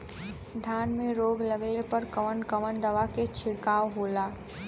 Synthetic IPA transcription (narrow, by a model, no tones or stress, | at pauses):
d̪ʱjaːnmẽɾoːɡləɡepəɾkɐʋənkəʋənd̪ɐʋaket͡ʃʰɪɽkaːʋɦoːlaː